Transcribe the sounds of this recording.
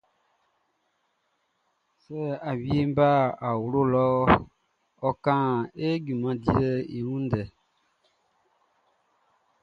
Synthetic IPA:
sɛ˦a˨wi˦e˦m˦ba˦˨a˨wu˨lo˦lɔ˦ | ɔ˦kã˦e˦ɟu˨mã˦di˦ə˦i˨wũ˦ndɛ˨

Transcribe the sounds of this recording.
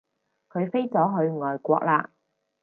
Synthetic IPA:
kʰɵ˨˧ɥfe˥jt͡sɔː˨˥ɦɵ˨˧ɥŋɔː˨˩jkʷɔ̰ː˧k̚laː˧

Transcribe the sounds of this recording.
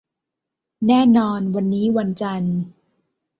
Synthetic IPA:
nɛː˥˩nɔː˧nwa˧nːiː˦˥wa˧nt͡ɕa˧n

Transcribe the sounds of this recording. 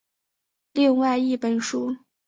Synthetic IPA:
li˥˧ŋwa˥˧ɪi˥˩pə˨˩nʂu˥

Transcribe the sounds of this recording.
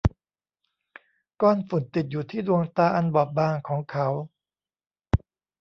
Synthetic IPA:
kɔː˧nfu˨˩˦nt̪i˨˩t̪̚juː˨˩t̪ʰiː˥˩du˧əŋt̪aː˧ʔa˧nbɔː˨˩p̚baː˧ŋkʰɔː˩˦ŋkʰa˦˥w

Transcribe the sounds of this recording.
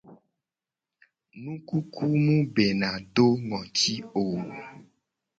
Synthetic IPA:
nũ˦ku˦kʰu˦mũ˦be˨nã˨ɖo˦ŋɔ̃˨ti˦o˨w

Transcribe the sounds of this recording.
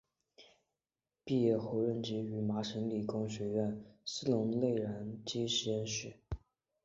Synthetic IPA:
pi˥˧jɛ˥˩xo˧˥ʊɻə˥˩nt͡ɕi˧˥y˧˩ma˧˥ʂə˧˥ŋli˨˩kʊ˥ŋɕɥɛ˧˥ɥɛ˥˩nsɹ̩˥lʊ˧˥ŋle˥˩ɪɻa˧˥nt͡ɕi˥ɕɛ˥nʂɻɛ˥˩˦

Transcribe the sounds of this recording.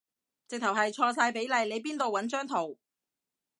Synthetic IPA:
t͡sɪ˨k̚t̪ʰɐ˨˩wɦɐ˨jt͡ʃʰɔː˧s̬aː˧jpe˨˥jlɐ˨˧jle˨˧jp̬iː˥nt̪o˨wɐ˨˥nt͡ʃœː˥ŋt̪ʰo˨˩w

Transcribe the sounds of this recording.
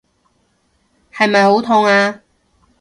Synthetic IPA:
hɐ˨jmɐ˨jho˨˥wt̪ʰʊ˧ŋaː˧

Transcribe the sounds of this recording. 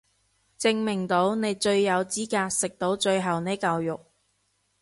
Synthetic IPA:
t͡sɪ˧ŋmɪ˨˩ŋt̪o˨˥wne˨˧jt͡ʃɵ˧ɥjɐ˨˧wt͡siː˥kaː˧t̚sɪ˨k̚t̪o˨˥wt͡ʃɵ˧ɥɦɐ˨˩wne˨˥jkɐ˨˧wjʊ˨k̚

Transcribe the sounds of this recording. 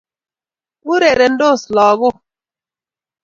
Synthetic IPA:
u˦ɾe˨ɾe˨n̩˦do˦˨slɔː˨ɣʊ˦

